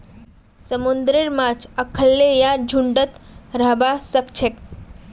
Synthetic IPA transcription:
səmund̪ɾiɾmat͡ʃʰəkʰəlːejad͡ʒʱuɳɖət̪ɾəɦbasəkt͡ʃʰek

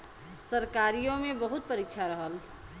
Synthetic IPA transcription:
sɐɾkaːɾijõmẽbɐɦʊt̪̚pɐɾɪk̚t͡ʃʰaɾɐɦəl

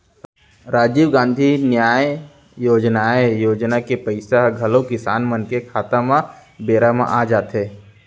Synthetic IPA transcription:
ɾaːd͡ʒiːʋɡãːnd̪ʱinjaːj | joːd͡ʒnaːjejoːd͡ʒnakepəɪsaɡʱɐlokɪsaːnmənkekʰaːt̪amãbeːɾamã̰ʔaːd͡ʒaːt̪ɦeː

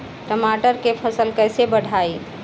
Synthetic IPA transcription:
ʈəmaʈəɾkepʰəsəlkəɪsebəɽʱai

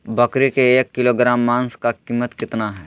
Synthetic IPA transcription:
bɐkɾikeeːkːɪloɡɾaːmːãːnskakiːmːət̪kɪt̪naɦɛː

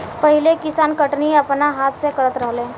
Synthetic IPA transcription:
pɐɦɪlekɪsaːnkəʈniɐpnaɦaːt̪ʰsekɐɾət̪ɾəɦlẽː

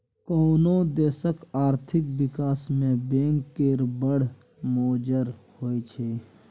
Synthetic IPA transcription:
koːnõd̪eːsəkaːɾt̪ʰɪkwɪkaːsmẽbẽːŋkːeːɾbəɽ̤ | moːd͡ʒəɾhoːet͡ʃʰeː

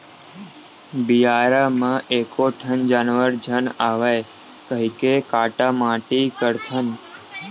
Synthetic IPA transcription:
bijaɾamãʔekoʈʰənd͡ʒanʋəɾd͡ʒʱənaʋaj | kəɦikekaʈamãʈikəɾt̪ʰən

